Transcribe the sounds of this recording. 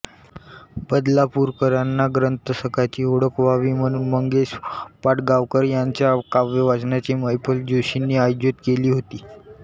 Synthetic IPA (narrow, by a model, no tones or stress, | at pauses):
bəd̪lapuɾkəɾanːaɡɾənt̪əsəkat͡ɕiːoɽəkʋaʋiːm̤əɽ̃uːnməŋɡespaʈɡaʋkəɾjaɲt͡ɕjakaʋjəʋat͡snjat͡ɕiːməjpʰəld͡ʑiɕinːiːajd͡ʑət̪keliːɦot̪iː